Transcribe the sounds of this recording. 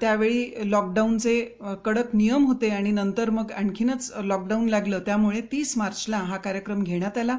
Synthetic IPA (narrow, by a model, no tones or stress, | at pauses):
t̪jaʋeɭiːlɔk̚ɖaunt͡se | kəɽək̪nijəmɦot̪eaɽ̃inənt̪əɾməɡaɳkʰinət͡slɔk̚ɖaunlaɡləːt̪jamuɭet̪iːsmaɾt͡ɕlãɦakaɾjəkɾəmɡʱeɽ̃jat̪ala